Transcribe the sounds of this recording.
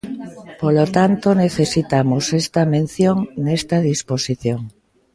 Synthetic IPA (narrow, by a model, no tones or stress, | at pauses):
polot̪ant̪oneθesit̪amosest̪ɐmẽn̟θjoŋnest̪ɐð̞isposiθjoŋ